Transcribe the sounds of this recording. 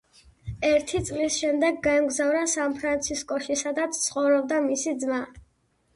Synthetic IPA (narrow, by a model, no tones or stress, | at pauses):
ɛɾt̪ʰit̪sʼlisʃɛmd̪ɛɡːaɛmɡzavɾasanpʰɾant̪sʰiskʼɔʃisad̪at̪sʰt̪sʰχɔvɾɔb̚d̪amisid̪zma